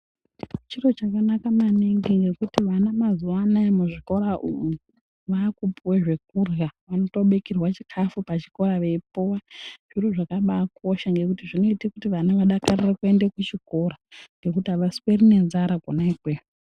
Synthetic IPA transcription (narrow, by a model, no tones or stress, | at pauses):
t͡ʃiro̞t͡ʃakanakamaneŋɡiŋɡe̞kutiʋanamazuwanaemuʐiko̞ɾaʔumuu | ʋakupuweʐe̞k̚urɣaʋano̞to̞ɓekirwat͡ʃikʰafupat͡ʃi̥ko̞ɾaʋe̞puwaʐ̥iɾoʐakaɓakʰo̞ʃaŋɡe̞kutiʐinoitekutiʋanaʋaɗakarirekue̞ndekut͡ʃiko̞ɾaŋɡe̞kutiaʋaswerine̞nzaɾakonaikweːu